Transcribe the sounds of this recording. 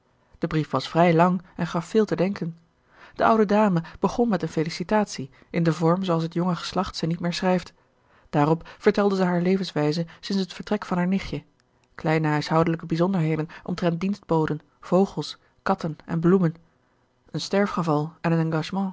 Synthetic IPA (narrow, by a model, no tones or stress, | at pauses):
d̥əbrifʋɑsfrɛjlɑŋɛnχɑfːɪːlˠtədɛŋkən | d̥əʔʌwdədaːməb̥əχɔnmɛtənfelisitaːtsi | ʔɪndəvɔɹmzowɑlˠsɦətjɔŋəχə̥slɑχtsɛjnit̚mɪːɹsrɛjft | d̥aːrɔpfəɹtɛlˠdəzɛɦaːɹlejvənsʋɛjzəsɪnsɦətfəɹtrɛkfɑnɦaːɹnɪχjə | klɛjnəɦœɥsɦʌwdələkəbizɔndəɹɦejdənʔɔ̰mtrɛnt̚dinsd̚bowdən | v̥owχəlˠs | kɑtənɛ̰nblumən | ənstɛɹfχəvɑlˠɛnənɑ̃ŋɡɑʒmɑ̃